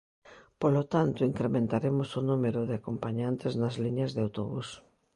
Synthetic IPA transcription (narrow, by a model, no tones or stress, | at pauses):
polot̪ant̪oiŋkɾemẽnt̪aɾemosonumeɾoðɪakompaɲant̪eznazliɲazðeawt̪oβus